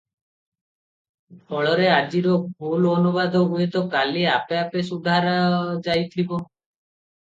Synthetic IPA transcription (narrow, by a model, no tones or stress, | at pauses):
bʰɔɭɔɾead͡ʒiɾɔbʱulɔnubad̪ʱɔuet̪ɔkaliapeapesud̪ʱaɾad͡ʒajt̪ʰibɔ